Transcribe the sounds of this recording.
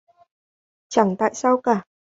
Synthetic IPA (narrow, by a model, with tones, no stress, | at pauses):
t͡ɕa˧˩ŋt̪a̰ː˧˨jsaː˧wkaː˧˩